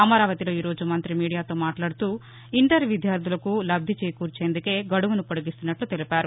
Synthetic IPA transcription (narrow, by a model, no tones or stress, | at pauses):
ɐmɐɾaːʋɐt̪ilo̞ːiːɾo̞ːd͡ʒumɐnt̪ɾimiːɽijaːt̪o̞ːmaːʈlaːɽut̪uː | iɳʈɐɾʋid̪ʱjaːɾd̪ʱulɐkulɐb̚d̪ʱit͡ʃeːkuːɾt͡ʃeːnd̪uke̞ːɡɐɽuʋunupoɽɐɡist̪unːɐʈlut̪elipaːɾu